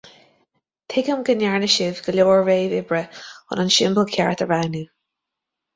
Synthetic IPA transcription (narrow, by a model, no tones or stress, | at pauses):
t̪ʰɪɡəmɡənjaɹnəʃɪvɡ̥əloːɹveːvɪbɹəʊ̰nənʃɪmbəlkʰjaɹt̪əɹawnu